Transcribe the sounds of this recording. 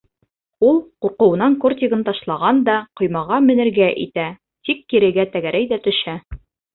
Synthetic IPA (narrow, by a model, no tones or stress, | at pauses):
ulˠquɾqɤ̆wɤ̆nɑŋkort̪ʲiɡɤnt̪ɑʃlˠɑʁɑnd̪ɑqŏjmɑʁɑmɘ̆nɘ̆ɾɡæʔḭt̪æ | t̪ikːiɾɘ̆ɡæt̪æɡæɾæjd̪æt̪ɵ̆ʃæ